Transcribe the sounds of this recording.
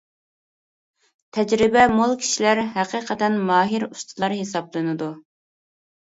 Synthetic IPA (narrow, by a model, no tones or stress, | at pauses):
t̪ʰɛd͡ʒɾɪbɛmolˠkʲʰi̥ʃilæɾɦæqiːqʰət̪ɛnmɑːɦiɾust̪ʰɨlˠɑɾɦesɑblˠɨnɨd̪u